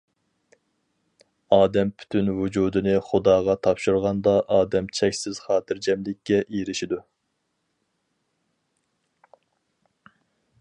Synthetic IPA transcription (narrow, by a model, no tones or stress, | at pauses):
ɑːd̪ɛmpʰy̥t̪ʰynvud͡ʒuːd̪ɨnɨχʊd̪ɑːʁɑt̪ʰɑpʃuɾʁɑnd̪ɑʔɑːd̪ɛmt͡ʃʰɛkʲsɪz̥χɑːt̪ʰɪɾd͡ʒɛmlɪkʲːɛʔiɾɪʃid̪u